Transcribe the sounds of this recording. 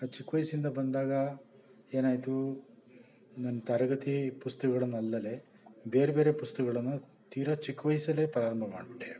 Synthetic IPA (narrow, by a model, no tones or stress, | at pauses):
at͡ʃikːʋɐjsind̪ɐbɐnd̪aːɡɐ | e̞ːnaːjt̪u | nɐnːɐt̪ɐɾɐɡɐt̪ipust̪ɐkɐɡɐɭɐnːuɐlːɐle̞ | beːɾebe̞ːɾe̞pust̪ɐkɡɐɭɐnːu | t̪iːɾɐt͡ʃikːʋɐjsɐle̞pɾaːɾɐmbʱɐma̰ːɖʈːe